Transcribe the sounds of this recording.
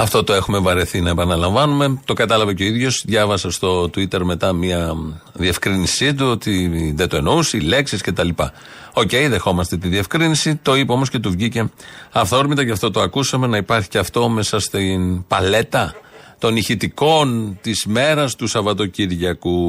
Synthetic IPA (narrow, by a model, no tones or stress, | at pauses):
ɐft̪o̞t̪o̞e̞xume̞vɐɾeθinɐepɐnɐlɐɱvɐnume̞t̪okɐt̪ɐlɐvɐceo̞iðʝo̞sðʝɐvɐsɐst̪o̞t̪uit̪e̞ɾme̞t̪ɐmiɐðie̞fkɾinisit̪̬uot̪iðet̪oe̞nousiile̞ksisce̞t̪ɐlipɐ̰ | o̞ce̞jðe̞xo̞mɐst̪e̞t̪iðiefkɾinisit̪o̞ipeo̞mo̞sce̞t̪uvʝice̞ɐftθoɾmit̪ɐcɐft̪o̞t̪oɐkusɐme̞nɐipɐɾçi̥ceɐft̪o̞me̞sɐst̪inpɐle̞t̪ɐt̪o̞niçit̪iko̞nt̪izme̞ɾɐst̪usɐvɐt̪o̞ciɾʝɐku